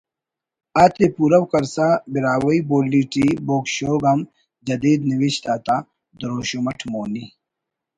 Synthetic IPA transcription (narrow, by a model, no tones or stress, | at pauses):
aːt̪epuːɾɐwkɐɾsabiɾaːwɐiboːlːiːʈiboːkɕoːɡɐm | d͡ʒɐd̪iːd̪niwiɕt̪aːt̪a | d̪ɾoːɕomɐʈʰmoːni